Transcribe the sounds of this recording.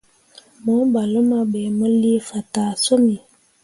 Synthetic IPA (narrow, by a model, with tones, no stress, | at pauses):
mo˨˦ba˨lo˦ma˦be˨mə˦li˦fa˨ta˨so˦mi˨